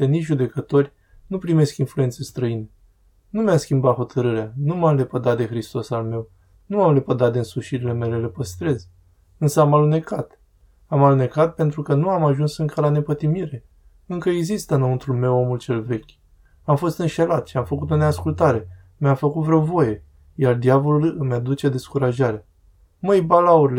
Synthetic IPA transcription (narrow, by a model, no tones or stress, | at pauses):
enit͡ʃʲʒud̪e̞kət̪o̞rʲ | nupɾime̞skinfluent̪se̞st̪ɾəine | numeamskʲimbat̪xo̞t̪ʰəɾɨɾeanumamle̞pəd̪at̪̚d̪e̞xɾist̪o̞salme̞w | nuamlepəd̪at̪̚d̪eɨnsuʃiɾile̞me̞le̞le̞pəst̪ɾe̞z | ɨnsəamalune̞kat̪ | amalune̞kat̪̚pe̞nt̪ɾukənuamaʒunsɨŋkəlane̞pət̪imiɾe̞ | ɨŋkəeɡzist̪ənomɨnt̪ulme̞wo̞mult͡ʃe̞lve̞kʲ | amfo̞st̪ɨnʃe̞lat̪ʃiamfəkut̪̬o̞neaskult̪aɾe̞ | mjafəkut̪vɾeo̞wvo̞je̞ | jard̪javo̞lulmjad̪ut͡ʃe̞d̪e̞skuɾaʒaɾea | məjbalauɾile